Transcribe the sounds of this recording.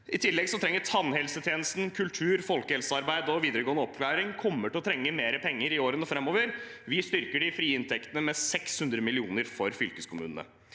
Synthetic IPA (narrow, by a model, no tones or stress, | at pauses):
ɪt̪ʰɪlːɛɡsɔt̪ʰɾɛŋːəʈʰɑnːhɛlsət̪ʰjeːnəst̪nkʰʉlt̪ʰʉːɾfɔlkəhɛlsəɑɾbæɪd̪ɔʋiːd̪əɾəɡoːənəɔpkʰlæːɾɪŋkʰɔmːəʈɪlɔt̪ʰɾɛŋːəmeːɾəpʰɛŋːəɾɪoːɾənəfɾɑmːoːʋəɾ | ʋɪst̪ʏɾkəɖɪfɾiːɪnt̪ʰɛkt̪ənəmɛsɛkshʉnd̪ɾəmɪlɪuːnəɾfɔɾfʏlkəskʰʊmʉ̰ːnənə̰